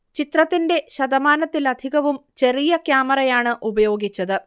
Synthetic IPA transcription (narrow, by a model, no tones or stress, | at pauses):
t͡ɕit̪rɐt̪ːinde̞ɕɐd̪ɐmaːnɐt̪ːilɐd̪ʱiɣɐʋumt͡ɕe̞rijɐkjaːmɐrɐjaːɳɨʔubɐjo̞ːɡit͡ɕːɐðɨ